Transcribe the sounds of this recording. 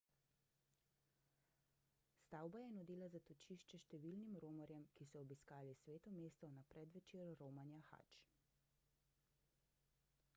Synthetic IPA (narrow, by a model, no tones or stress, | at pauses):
st̪aːwbajɛnud̪iːlazat̪ɔt͡ʃiːʃt͡ʃɛʃt̪ɛʋiːlnimɾoːmɔɾjɛmkisɔːbiskaːlisʋeːt̪ɔmeːst̪ɔnapɾɛd̪ʋɛt͡ʃeːɾːoːmanjaxa̰t͡ʃ